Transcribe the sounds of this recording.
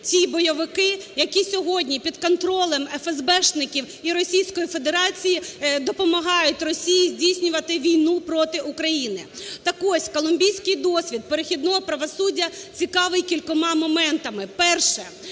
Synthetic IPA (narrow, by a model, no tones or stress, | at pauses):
tʲibɔjɐʋɪkɪjɐkʲisʲɔɦɔdʲnʲipʲid̪kɔnt̪ɾɔlˠɛmɛfɛzbɛʃnɪkʲiw | iɾɔsʲijsʲkɔjifed̪eɾɑt͡sʲijid̪ɔpɔmɐɦɑjʊtʲrɔsʲijizʲdʲijsʲnʲʊʋɐt̪ɪʋʲijnupɾɔt̪ɪʔukɾɐjinɪ | t̪ɐkɔsʲkɔlˠʊmʲbʲijsʲkɪjd̪ɔsʲʋʲid̪̚peɾexʲid̪nɔɦɔpɾɐʋɔsudʲːɐt͡sʲikɑʋɪjkʲilʲkɔmɑmɔmɛnt̪ɐmɪpɛrʃɛ